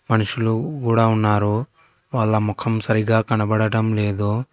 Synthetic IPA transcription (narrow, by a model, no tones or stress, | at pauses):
mɐnuʃuluɡuːɽaunːaːɾu | ʋaːlːɐmɔkʰɐmsɐɾiɡaːkɐnɐbɐɽɐʈɐmleːd̪u